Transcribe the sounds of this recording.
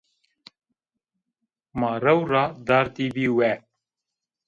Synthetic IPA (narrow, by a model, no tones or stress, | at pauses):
mɑːɾɛwrɑːd̪ɑːɾt̪iːbiːwɛ